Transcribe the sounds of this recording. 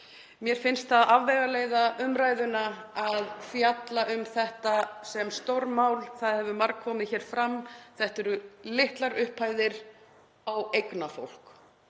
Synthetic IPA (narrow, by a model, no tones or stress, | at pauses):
mjɛɾ̥fɪnst̪θaðavvɛjɣaleːjðaʏmɾaːjðʏnaaðfjat̪laʔʏmθɛht̪asɛmst̪oɾmaːwlθaðhɛvʏmaɾkkʰɔːmɪðçɛːɾ̥fɾamːθɛht̪ɛɾʏlɪht̪laɾʏhpʰaːjðɪɾ | awejknafo̰wl̥k